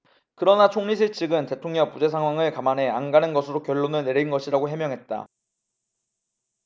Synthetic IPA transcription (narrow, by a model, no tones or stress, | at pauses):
kɯɾʌnat͡ɕʰoŋɲis̬ʰeɭt͡ɕʰiɡɯnte̞tʰoŋɲʌŋpud͡ʑe̞sʰaŋwaŋɯɭkamanɦe̞anɡanɯnɡʌsʰɯɾokjʌɭːonɯɭneɾiinɡʌɕʰiɾaɡoɦe̞mjʌŋɦe̞t̚t͈a̰